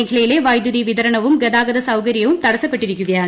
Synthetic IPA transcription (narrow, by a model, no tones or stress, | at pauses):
ŋɡʰɪlɐjɪleːʋɐjd̪uðiʋɪðɐɾɐɳɐʋɯmɡɐðaːɣɐðɐsɐʊɣɐɾɪjɐʋɯmt̪ɐɽɐsɐpːɐʈːɪɾɯkːɯɣɐjaː